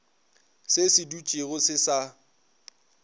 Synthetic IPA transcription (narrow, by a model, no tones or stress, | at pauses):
sesɪdut͡ʃʼɪɣʊsɪsa